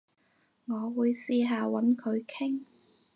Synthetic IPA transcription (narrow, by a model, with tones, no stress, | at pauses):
ŋɔː˨˧wuː˨˧jsiː˧ɦaː˨˧wɐ˨˥nkʰɵ˨˧ɥkʰɪ˥ŋ